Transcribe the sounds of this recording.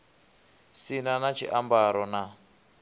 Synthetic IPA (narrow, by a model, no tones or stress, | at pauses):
sinanat͡ʃʰiʔambaɾɔna